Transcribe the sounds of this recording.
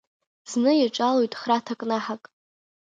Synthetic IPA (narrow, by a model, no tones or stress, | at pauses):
z̥nɨjaʈ͡ʂʼalojtʼχratʰakʼnaħakʼ